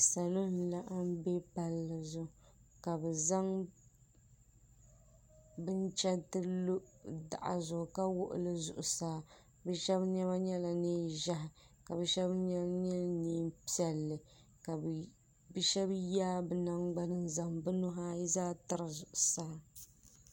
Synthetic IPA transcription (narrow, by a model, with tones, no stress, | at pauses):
sa˨lo˦n˨la˦ʔa˦m˦be˦pa˨lːɨ˨zʊ˦ka˨bɛ˨za˦ŋ | bɨ˦n˦t͡ʃɛ˦tɨ˦lo˦da̰˨ʔa̰˨zʊ˨ɡʊ˨ka˦wʊ˦ʔʊ̰˨lɨ˦zʊ̰˨ʔʊ˨saː˦ | bɛ˦ʃɛ˦bɲɛ˦βa˦ɲɛ˦la˨neː˦ʒa˦ɦɪ˨ | ka˨bɨ˨˦ʃɛ˦bɲɛ˦ɲɛ˦neː˦pi˦ɛ˨lːɨ˨ | ka˨ | bɨ˦ʃɛ˦bjaː˦bɨ˨na˦ŋɡ͡ba˦nɨ˦nza˨mbɨ˦nʊ˦ɦa˦ji˦zaː˦tɨ˨ɾɨ˨zʊ˨ʔʊ˨saː˦